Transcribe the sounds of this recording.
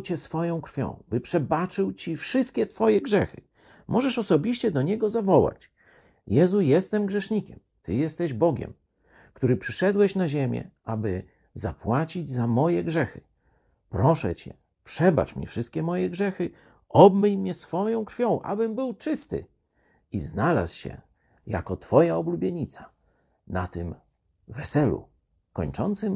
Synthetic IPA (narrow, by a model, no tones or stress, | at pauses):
t͡ɕɛsfɔjɔ̃w̃kɾfʲjɔ̰̃w̃bɘpʂɛbat͡ʂɘwt͡ɕifʂɘst̪̚kʲɛt̪fɔjɛɡʐɛxɘ | mʔɔʐɛʂɔsɔbʲiɕt͡ɕɛd̪ɔɲɛɡɔzavɔwa̰t͡ɕ | jɛzujɛst̪ɛmɡʐɛʂɲikʲɛm | t̪ɘjɛst̪ɛʑbɔɡʲɛ̰m | kt̪uɾɘpʂɘʂɛd̪wɛɕnaʑɛmʲjɛ̰ʔabɘ | za̰pwat͡ɕid͡ʑzamɔjɛɡʐɛxɘ̥ | pɾɔʂɛ̰t͡ɕɛ̰ | pʂɛba̰t͡ʂmɲḭfʂɘst̪̚kʲɛmɔjɛɡʐɛxɘ | ɔbmɘɲmɲɛsfɔjɔ̃w̃kɾfʲjɔ̃w̃ʔa̰bɘmbɘwt͡ʂɘst̪ɘ̰ | iznala̰sɕɛ̰ | ja̰kɔt̪fɔjaɔblubʲjeɲit̪sa | nat̪ɘm | vɛsɛlṵ | kɔɲt͡ʂɔnt̪sɘm